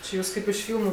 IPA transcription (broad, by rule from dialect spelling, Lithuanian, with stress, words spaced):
t͡ʃʲɪ ˈjuːs ˈkɐɪp ɪʃ ˈfʲiːlˠmʊ